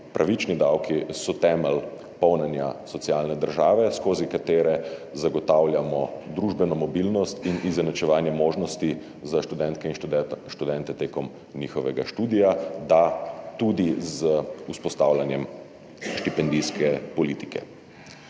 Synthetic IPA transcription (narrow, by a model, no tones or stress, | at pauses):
pɾʔaʋit͡ʃnid̪awkisɔt̪ɛːmɛl | pɔwnɛnja̰sɔt̪siaːlnɛd̪əɾʒaːʋɛskoːzikat̪eːɾɛzaɡɔt̪aːwlʲjamɔd̪ɾuʒbɛnɔmɔbilnɔst̪inizɛnat͡ʃɛʋaːnjɛmoːʒnɔst̪i | zaʃt̪ud̪ɛnt̪̚kɛinʃt̪ud̪ɛnt̪ɛt̪eːkɔm | nixɔʋɛɡaʃt̪uːd̪ijad̪at̪ud̪izəuspɔst̪aːwlʲjanjɛm | ʃt̪ipɛnd̪iskʰɛpɔliːt̪i̥kɛ̰